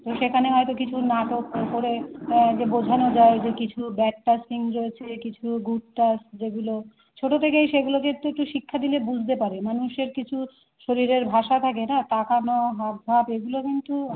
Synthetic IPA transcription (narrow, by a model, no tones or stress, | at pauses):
t̪oʃekʰaneɦɔet̪okit͡ɕʰunaʈokopoɾed͡ʑebod͡ʑʱanod͡ʑaed͡ʑekit͡ɕʰubɛʈ̚ʈasiŋɾoet͡ɕʰekit͡ɕʰuɡuʈ̚ʈasd͡ʑeɡulo | t͡ɕʰoʈot̪ʰekejʃeɡulokint̪uek̚ʈuʃikʰːad̪ilebud͡ʑʱt̪epaɾemanuʃeɾkit͡ɕʰu | ʃoɾiɾeɾbʱaʃat̪ʰakenat̪akanoɦab̪̚bʱabeɡulokint̪u